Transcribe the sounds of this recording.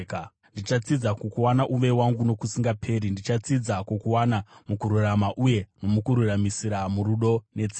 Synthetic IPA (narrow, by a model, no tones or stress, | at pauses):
k | ndit͡ʃat͡sid͡zakokuwanaʔuʋe̞waŋɡuno̞kusiŋɡapʰe̞ːɾindit͡ʃat͡sid͡zakokuwanamukuɾuramaʔuje̞no̞mukuɾuramisiɾamuɾuɗo̞ne̞t͡si